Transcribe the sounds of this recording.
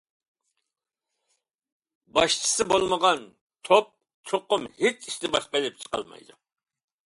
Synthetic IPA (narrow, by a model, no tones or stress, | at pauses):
bɑʃt͡ʃʰi̥sɨbolˠməʁɑn | t̪ʰop̚ | t͡ʃʰoqʊmhet͡ʃʰiʃt̪ɪbɑʃqɑilˠɪp̚t͡ʃʰə̥qɑ̰lˠmɑ̰jd̪ṵ